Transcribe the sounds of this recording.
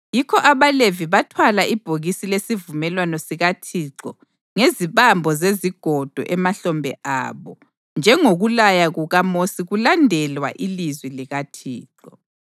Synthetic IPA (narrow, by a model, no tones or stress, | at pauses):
jikʰɔʔaβaleviβatʰwalaʔib̥ʱoɣisilesivumɛlwanɔsiɣatʰiǁɔ | ŋeziβambʱɔzeziɡ̥ʱɔd̥ʱɔ̰ʔɛmaɬɔmbʱɛ̰ʔa̰ːβɔ | nd͡ʒʱɛŋoɣulajaɣuɣamosiɣulandʱɛlwa̰ʔilizwiliɣatʰiːǁɔ